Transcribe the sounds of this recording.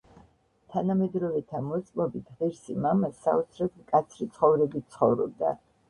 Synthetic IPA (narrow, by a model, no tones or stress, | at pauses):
t̪ʰanamɛd̪ɾɔvɛt̪ʰamɔt̪sʼmɔbit̪ʰʁɛɾsimamasaɔt̪sʰɾɛt̪ʰmkʼat̪sʰɾit̪sʰχɔvɾɛbit̪̚sχɔvɾɔ̰b̚d̪a̰